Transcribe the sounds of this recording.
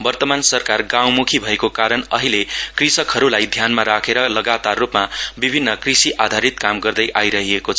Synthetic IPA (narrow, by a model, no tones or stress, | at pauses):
bʌrt̪ʌmansʌrkarɡãw̃mukʰibʱʌekokaɾʌnʌɦilekrisʌkɦʌɾulajd̪ʱjanmaɾakʰeɾʌlʌɡat̪arːupmabibʱinːʌkrisiʔad̪ʱaɾit̪̚kamɡʌrd̪ʌjʔajɾʌɦiekot͡sʰ